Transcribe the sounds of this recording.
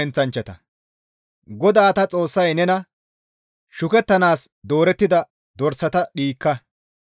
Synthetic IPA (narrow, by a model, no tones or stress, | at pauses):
ɛnt͡sɐnt͡ʃːɐt̪ɐ | ɡɔd̪aːɐt̪ɐt͡sʼo̞ːsːɐjnɛnɐ | ʃʊkɛt̪ːɐnaːsd̪o̞ːɾɛt̪ːɪd̪ɐ | d̪ɔɾsɐt̪ɐɗiːkːɐ